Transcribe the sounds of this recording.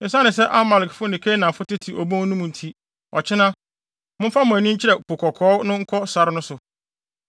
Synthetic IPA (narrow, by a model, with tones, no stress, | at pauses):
ɪ̃˨˦sã˦nɪ̃˨s̬ɛ˦ʔa˦ma˨lɪ˨kfʊ˦nɪ̃˨kʰe˦nã˨fʊ˦tɪ˦tʰi˨ʔɔ˨bõ˦nũ˦mũ˨n̩˨tʰi˦ | ɔ̰˨t͡ɕʰɪ˦nã˦ | mʊ̃˦m˦fa˦mʊ̃˨æ˨nĩ˦ɲ̩˦t͡ɕʰɪ˦ɾɛ˨po˨kʰɔ˨kʰɔː˨˦nʊ̃˦ŋ̩˦kʰɔ˦sa˨ɾɪ˦nʊ̃˦sʊ˨